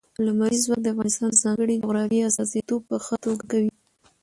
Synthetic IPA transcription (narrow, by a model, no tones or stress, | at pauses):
lamaɾizwak̚d̪əafɣɑnɪst̪ɑnəzɑŋɡəɽid͡ʒʊɣɾɑfiasɑzit̪ob̚pːəxət̪oɡakawi